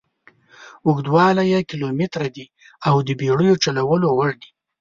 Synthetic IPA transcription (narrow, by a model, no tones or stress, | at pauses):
ʊɡd̪wɑlajakɪlomɪt̪ɾad̪i | awd̪əbeɽəjot͡ʃalawəlowaɽd̪i̥